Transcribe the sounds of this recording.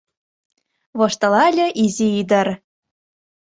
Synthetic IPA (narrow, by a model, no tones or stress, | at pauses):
βoʃt̪ɤ̆lɑlʲɤ̆ʔizʲiid̪ɤ̆r